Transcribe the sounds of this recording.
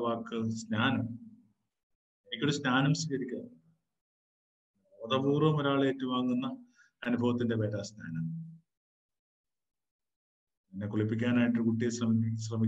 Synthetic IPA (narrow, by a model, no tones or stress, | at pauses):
ʋaːkːɨsnaːnɐm | enikʲːoɾusnaːnɐmsikɐɾikʲːu | oðɐbuːrɐmoɾaːɭe̞ːtːumaːŋːunːɐː | nubʱɐʋɐt̪̬ːinde̞ʋe̞ːʈaːsna̰ːnɐm | inːekuɭipːikʲːaːnaːjiʈːɨkuʈːijeɕrɐmiɕrɐmi